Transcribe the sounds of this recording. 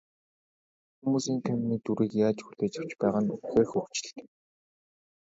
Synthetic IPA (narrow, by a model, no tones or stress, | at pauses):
xumuːsiːŋt̪ʰamniːt̪uɾiːkjaːt͡ɕxuɮeːt͡ɕɪ̆w̥t͡ɕpæːʁănuwxeːxɵw̥t͡ɕɪ̥̆ɬt̪̆